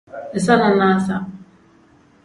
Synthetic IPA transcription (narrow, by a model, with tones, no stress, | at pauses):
sa˦na˨˦a˦sa˦